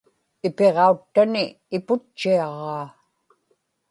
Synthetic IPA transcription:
ɪpe̞ʁɑut̪ːanɪː | pʊt͡ʃːiɑʁɑː

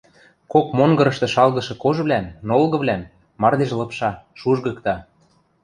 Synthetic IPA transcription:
kokmoŋɡɤ̆ɾɤ̆ʃt̪ɤ̆ʃɑlɣɤ̆ʃɤ̆koʒβlænnolɣɤ̆βlʲæn | mɑrd̪eʃlɤ̆pʃɑʃuʒɣɤ̆kt̪ɑ

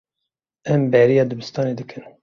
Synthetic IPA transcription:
ɛmbɛɾijɑːd̪ɨbɨst̪ɑːneːd̪ɨkʰɨn

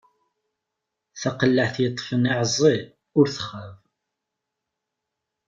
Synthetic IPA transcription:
θæqəlːəʕθjət̪ˤːfəniʕzˤi | ʊɾθə̥χːəv

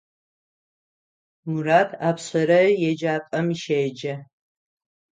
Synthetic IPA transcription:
muɾaːtʰaːpʰɕɐɾɐjɛd͡ʒaːpʼɐmiʃeːd͡ʒɐ

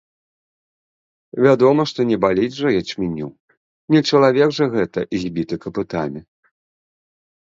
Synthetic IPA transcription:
vʲad̪ɔmɐʂt̪ɔnʲɛbalʲid͡zʲʐɐjat͡ʃmʲinʲuw | nʲɛt͡ʂɐlˠavʲɛɡʐɐɣɛt̪ɐʔizʲbʲit̪ɨkɐpɨt̪a̰mʲi

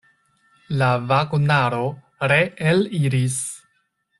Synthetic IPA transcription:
lavaɡunaɾo̞ | ɾe̞eliɾis

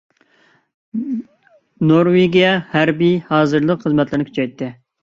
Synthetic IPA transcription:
noɾweɡʲijɛhæɾbijhɑːzɨɾlˠəqχəzmɛt̪lˠɨɾnɪkʰy̥t͡ʃʰɛjt̪ʰːɨ

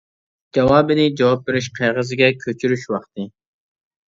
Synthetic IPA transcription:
d͡ʒɑwɑːbɪnɪd͡ʒɑwɑp̚beɾɪʃqʰejʁəzɪɡʲɛkʲʰøt͡ʃʰyɾyʃwɑqt̪ɨ

